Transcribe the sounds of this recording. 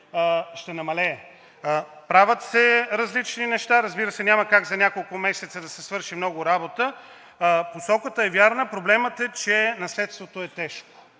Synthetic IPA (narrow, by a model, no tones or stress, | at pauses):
ʃt̪ɛnɐmɐlɛ | pɾavʲət̪sɛɾɐzlit͡ʃninɛʃt̪aɾɐzbiɾəsɛnʲaməkaɡzɐnʲakolˠkʊmɛsɛt̪səd̪ɐsɛsvɤɾʃimnɔɡʊɾabot̪ə | posɔkət̪əɛvjaɾnəpɾoblɛmət̪ɛt͡ʃɛnɐslɛt̪st̪vot̪oɛt̪ɛʃko̥